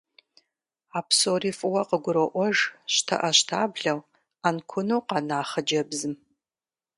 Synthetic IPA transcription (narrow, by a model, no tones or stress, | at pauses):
aːpʰsoːriːfʼɨwɐqəɡʷʊɾɐʔʷɔʒɕtʰɐ̰ʔɐɕtʰaːbɮɐw | ankʷʰʊnowqɑnaːχɐd͡ʒɐbzɨm